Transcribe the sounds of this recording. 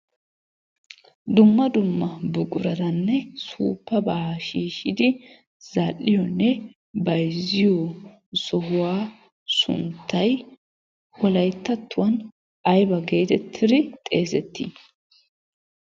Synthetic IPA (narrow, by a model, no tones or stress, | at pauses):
d̪ʊmːɐd̪ʊmːɐbʊkʼʊɾɐd̪ɐnːɛsuːpːɐbaːɐʃiːʃɪd̪ɪ | z̥alːɪjɔnːɛ | bɐjzɪjɔ | sɔhʊwaː | sʊ̰nt̪ːɐj | wɔlɐjt̪ːɐt̪ːʊwɐn | ɐjbɐɡe̞ːt̪ɛt̪ʰːɪd̪ɪt̪ʼe̞ːsɛt̪ːḭ